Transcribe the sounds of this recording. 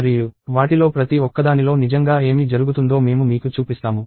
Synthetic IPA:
ɾiːjuʋaːʈilo̞ːpɾɐt̪iɔkːɐd̪aːnilo̞ːnid͡ʒɐŋɡaːe̞ːmid͡ʒɐɾuɡut̪und̪o̞ːme̞ːmumiːkut͡ʃuːpist̪aːmu

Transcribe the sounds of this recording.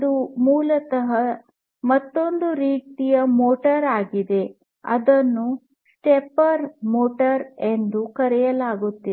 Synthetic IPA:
d̪umuːlɐt̪ɐɦɐ | mɐt̪ːo̞nd̪uɾiːt̪ijɐmoːʈɐɾaːɡid̪e̞ | ɐ̰d̪ɐnːu | sʈepɐɾmoːʈɐɾend̪ukɐɾɛjɐlaːɡut̪ːi

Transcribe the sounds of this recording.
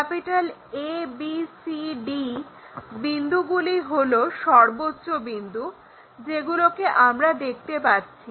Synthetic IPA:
kɛpiʈalebisiɖi | bind̪ʱuɡuliɦoloʃɔɾbotːɕobind̪ʱu | d͡ʑeɡulokeʔamɾad̪ek̚ʰt̪epaɾt͡ɕʰi

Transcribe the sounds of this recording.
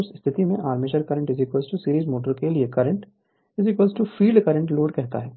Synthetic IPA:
ɾsst̪ʰɪt̪imẽʔaːɾmeʃəɾkɐɾə̃ɳʈɪziːkwəlzʈusiːɾiːzmoːʈ̬əɾkeliekɐɾə̃ɳʈ | ɪzikwəːlzʈufiːɖkɐɾə̃ɳʈloːɖkɛɦt̪a̰ɦɛː

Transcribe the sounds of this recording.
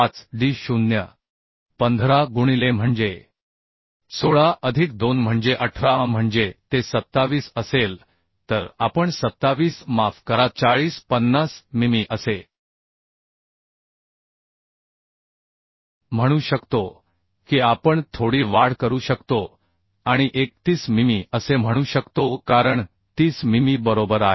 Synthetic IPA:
at͡sɖiːɕunjə̰ | pənd̪ʱɾaɡuɽ̃ilem̤əɳd͡ze | soɭaʔəd̪ʱik̚d̪onm̤əɳd͡zeʔəʈʰɾam̤əɳd͡zet̪esət̪ːaʋiːsəsel | t̪əɾapəɳsət̪ːaʋiːsmafkəɾat̪̚t͡saɭiːspənːasmimiʔəse | m̤əɽ̃uːɕəkt̪o | kiapəɳt̪ʰoɽiːʋaɽ̤kəɾuɕəkt̪o | aɽ̃iʔek̚t̪iːsmimiəsem̤əɽ̃uːɕəkt̪okaɾəɳ | t̪iːsmimibəɾobəɾaɦe

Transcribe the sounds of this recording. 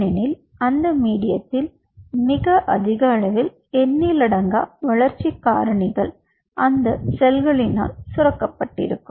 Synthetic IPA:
ɪnɪl | ɐnd̪ɐmiːɽɪjɐt̪ːɪl | mɪɣɐʔɐ̰ðɪɣɐːɭɐʋɪl | ɛnːiːlɐɽɐŋɡa̰ːʋɐɭɐɾt͡ʃːikːa̰ːɾɐɳɪɣɐɭ | ʔɐnd̪ɐsɛlɣɐɭɪna̰ːlsʊɾɐkːɐpːɐʈːɪ̰ɾɯkːɯm

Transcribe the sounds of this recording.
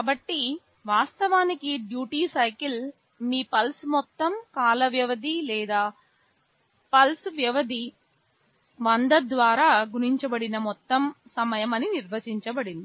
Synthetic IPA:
kaːbɐʈːi | ʋaːst̪ɐʋaːnikiɖjuːʈiːsɐjkil | miːpɐlsmɔt̪ːɐmkaːlɐʋjɐʋɐd̪ʱilɛːd̪aː | pɐlsʋjɐʋɐd̪ʱi | ʋɐnd̪ɐd̪ʋaːɾaːɡuɾiɲt͡ʃɐbɐɽinɐmɔt̪ːɐmsɐmɐjɐmɐniniɾʋɐt͡ʃiɲt͡ʃɐbɐɽind̪i

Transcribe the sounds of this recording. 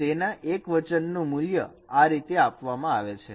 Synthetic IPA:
enãʔekʋət͡ʃənːũmuljə̰ | aɾit̪eapʋamãaʋet͡ʃʰe

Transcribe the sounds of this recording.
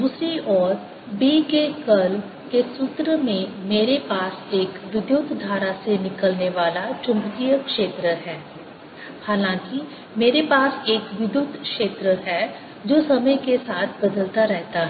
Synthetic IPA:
d̪uːsɾiʔɔːɾ | biːkekəl | kesʊt̪ɾəmẽmeːɾepaːseːkʋɪd̪jʊt̪d̪ʱaːɾasenɪkəlneʋaːlat͡ʃʊ̃mbkijəkʃeːt̪ɾəɦɛː | haːlãːki | meːɾepaːseːkʋɪd̪jʊt̪ʃeːt̪ɾəɦɛ | d͡ʒoːsɐməjkesaːt̪ʰbɐd̪əlt̪aɾɛɦt̪aɦɛɛ

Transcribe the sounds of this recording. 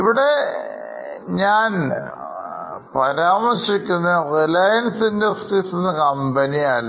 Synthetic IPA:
iʋiɽe̞ | ɲaːn | pɐɾaːmɐrʂikʲːunːɐrilɐjɐnsindɐrstisunːɐkɐmbɐniaːɭ

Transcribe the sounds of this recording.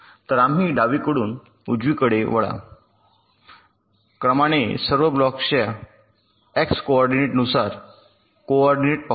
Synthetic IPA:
t̪əɾamiɖaʋikəɽuːn | ud͡ʑʋikəɽeʋəɭa̰ | kɾəmañesəɾʋəblɔkɕea | ekskoɔɾɖineʈənusaɾ | koɔɾɖineʈ̚pa

